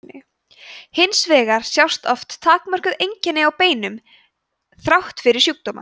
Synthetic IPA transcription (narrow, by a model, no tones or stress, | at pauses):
ɪ | hɪnsvɛːɣaɾ̥sjawst̪ɔft̪ːʰaːkmœr̥kʏðejɲcɪnːɪawpeːjnʏm | θɾawht̪fɪɾɪɾ̥sjuk̚t̪oːma̰